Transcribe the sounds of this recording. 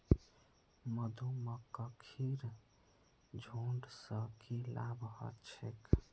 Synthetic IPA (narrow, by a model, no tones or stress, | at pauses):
məd̪ʱuməkəkʰiɾ | d͡ʒʱoɳɖsə̃kilabʱɦə̰t͡ʃʰek